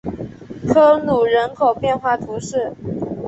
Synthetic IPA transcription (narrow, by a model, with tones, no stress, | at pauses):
kʰɤ˥nu˨˩ɻə˧˥nkʰo˨˩ʊpjɛ˥˧nxwa˥˩t̪ʰu˧˥ʂɻ̩˥˩